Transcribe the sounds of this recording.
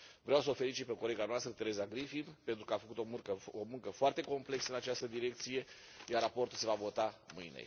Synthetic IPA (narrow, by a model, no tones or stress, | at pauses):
vɾeawsəofe̞lit͡ʃit̪̚peko̞le̞ɡanoast̪ɾət̪e̞ɾe̞zaɡɾifimpe̞nt̪ɾukəafəkut̪omurkəomuŋkəfoart̪e̞ko̞mple̞ksəɨnat͡ʃast̪əd̪iɾe̞k̚t̪sije̞ | jarapo̞rt̪ulse̞vavo̞t̪amɨjnḛ